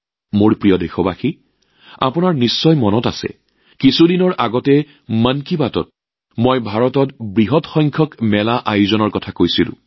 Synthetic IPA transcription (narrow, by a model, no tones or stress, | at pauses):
moɹpɹijɔdexɔbaxi | a̰pʊnaɹnisːɔjmɔnɔta̰sɛ̰ | kisudinɔɹʔaɡɔtɛ | mankibatɔ̰t̚ | mojbʱaɹɔtɔtbɹiɦɔtxɔjŋkʰɔkmɛlaʔajuzɔnɔɹkɔtʰakojsilʊ̰̃